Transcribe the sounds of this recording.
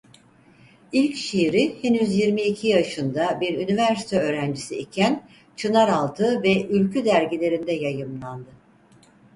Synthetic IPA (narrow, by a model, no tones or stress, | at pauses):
ilʲcʃiɾihenyzjiɾmiːcʰijaʃɯnd̪abiɾynivæɾsi̥t̪ʰɛø̞ːɾænd͡ʒisiicʰæn | t͡ʃʰɯnaɾalˠt̪ʰɯvɛʔylʲcʰyd̪æɾɟilʲe̞ɾind̪ɛjajɯmlˠand̪ɯ